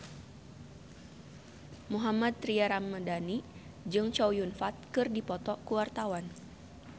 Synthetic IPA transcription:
muɦamat̪ɾiaɾamːədani | d͡ʒɨŋt͡ʃawjunfat̪̚kɨrdipɔt̪ɔkuwart̪awan

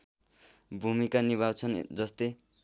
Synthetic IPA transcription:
bʱumikaniβʱawt͡sʰʌn̰d͡zʌst̪e

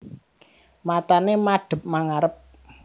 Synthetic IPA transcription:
mat̪anemaɖ̥ə̤p̚maŋaɾəp̚

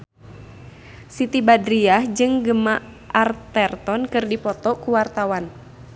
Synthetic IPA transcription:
sit̪ibadɾiahd͡ʒɨŋɡəma | ʔart̪ɛrt̪ɔnkɨrdipɔt̪ɔkuwart̪awan

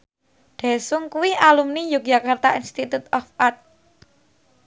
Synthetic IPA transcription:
d̪̥a̤sʊŋkuwɪalumnijuk̚d͡ʒ̥akart̪aʔinst̪it̪ut̪ɔfʔat̪̚

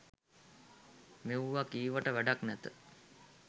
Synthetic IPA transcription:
mewʋakiːʋəʈəʋæɖaknæt̪ə

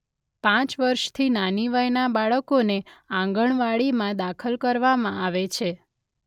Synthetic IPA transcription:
pãt͡ʃʋəɾʃt̪ʰinaniʋajnabaɭəkoneãŋɡəɳʋaɭimãd̪akʰəlkəɾʋamãaʋet͡ʃʰe

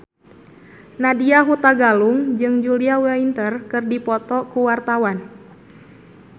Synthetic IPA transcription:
nadiaɦut̪aɡaluŋd͡ʒɨŋd͡ʒuliawɛint̪ərkɨrdipɔt̪ɔkuwart̪awan

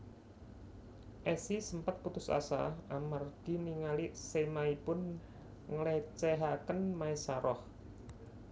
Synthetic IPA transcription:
ʔɛsisəmpat̪̚put̪ʊsa̰saʔamarɡ̥i̤niŋalisemaipʊn | ŋəlɛt͡ʃɛɦakənmaisaɾʔɔh

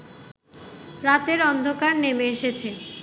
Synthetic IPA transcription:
ɾat̪eɾɔnd̪ʱokaɾnemeeʃet͡ɕʰe

